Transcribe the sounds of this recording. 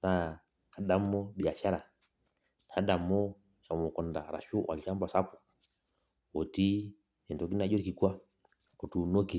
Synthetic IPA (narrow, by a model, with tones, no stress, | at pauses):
na˨ | ka˨ɗa˦mː˦ɔ˦ɓi˨a˨ʃa˦ɾa˨ | n˨a˨˦ɗa˨mːɔ˦ | ʃa˨mɔ˨kɔ˨nda̰˨ɾa̰˨ʃu˦wʔa̰˨la˦m˦ba˨sa˦pu̥˨ | ɔ˨ti˦ | ɛ˨ndɔ˨˦k̬i˦na˨˦d͡ʒɔ˦ɾi˦ki˨kwa˦ | kɔ˨tu˨nɔ˦ki˨